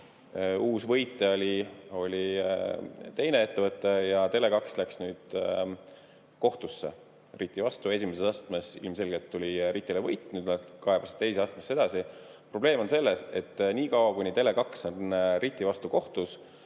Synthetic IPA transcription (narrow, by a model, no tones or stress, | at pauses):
uːsvɤ̞jt̪ˑːeolʲio̞lʲi | t̪e̞jne̞e̞t̪ːevɤt̪ˑːejɑt̪e̞le̞kɑkslæksnyːd̪̥ | ko̞ht̪usːe̞̰ | rit̪ːˑivɑst̪ue̞s̬ʲimesesɑst̪me̞sḭlmse̞lɡelt̪ːulʲiɾit̪ʲːˑilevɤjt̪ːˑnyd̪nɑkɑɦebɑst̪ejs̬eɑst̪mesːe̞d̪̥ɑsi | pro̞b̥le̞ːmo̞nse̞lːe̞se̞t̪ːniːkɑwɑkunʲit̪e̞le̞kɑksonrit̪ʲːˑivɑst̪uko̞ht̪us